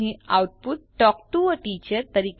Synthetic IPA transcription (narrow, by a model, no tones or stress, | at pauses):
ĩawʈ̚put̪̚ʈɔkʈuɔʈiːt͡ɕəɾt̪əɾiːk